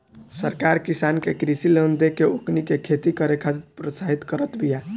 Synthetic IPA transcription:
səɾkaɾkisankekɾisilend̪ekeoknikekʰet̪ikəɾekʰad̪it̪pɾosaɦit̪kəɾət̪bija

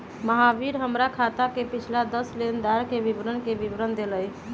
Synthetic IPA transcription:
məɦaʋiɾɦəmɾakʰat̪akepit͡ʃʰlad̪əslend̪aɾkebibɾənkebibɾənd̪eləj

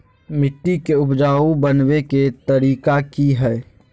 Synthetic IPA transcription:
mɪʈːikeʊpd͡ʒaːubənweket̪əɾiːkakiɦɛː

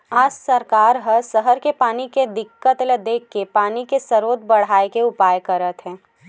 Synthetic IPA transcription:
aːd͡ʒsɐɾkaːɾɦəɾsəɦəɾkepaːniked̪ɪkːət̪led̪eːkːepaːnikesɐɾoːd̪̚bɐɽ̤aːekeʊpaːjkɐɾət̪ɦɛ̃ː

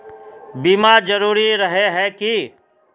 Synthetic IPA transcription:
biːmaɾd͡ʒɐɾuːɾiɾɐɦeɦɛki

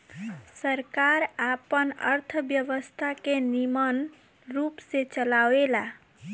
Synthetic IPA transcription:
səɾkaɾapənə̰ɾt̪ʰəbjəʋəst̪ʰakenimən | ɾupset͡ʃəlawela

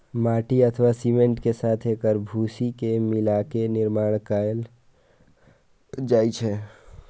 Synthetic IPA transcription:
maːʈiət̪ʰʋasimẽɳʈkesaːt̪ʰeːkəɾbʱuːsikemɪlakenɪɾmaːɽ̃kəl | d͡ʒaːjt͡ʃʰɛ

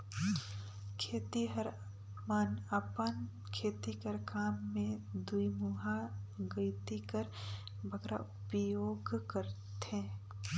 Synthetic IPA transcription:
kʰeːt̪iɦəɾ | manəpən | kʰeːt̪ikəɾkaːmːẽd̪uimuɦaɡəɪt̪ikəɾ | bʱəɡɾʔa̰ʊpjoːɡkəɾt̪ẽ

